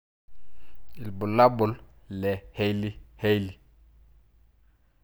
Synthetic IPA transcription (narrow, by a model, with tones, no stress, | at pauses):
i˨lbu˨la˦bʊ˨llɛ˨he˦li˦he˦jli˨